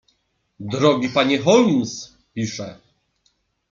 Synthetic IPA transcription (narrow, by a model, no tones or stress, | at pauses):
d̪ɾɔɡʲipaɲɛxɔlms | pʲiʂɛ